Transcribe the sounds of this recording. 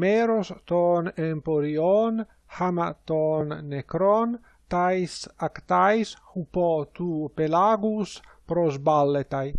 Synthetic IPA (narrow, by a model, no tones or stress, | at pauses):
meɾost̪ɔnempoɾion | hamat̪onːekɾon | t̪ajsakt̪ajshupɔt̪upelaɡus | pɾozbalːet̪aj